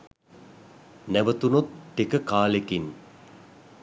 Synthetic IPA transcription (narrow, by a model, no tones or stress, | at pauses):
næʋət̪unot̪ːekəkaːlekin